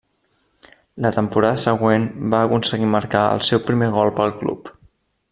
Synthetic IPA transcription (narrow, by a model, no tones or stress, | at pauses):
lət̪əmpuɾaðəsəɣwenbaəkunsəɣiməɾkaə̰lˠsɛwpɾimeɣ̞ɔlˠpəlˠklṵp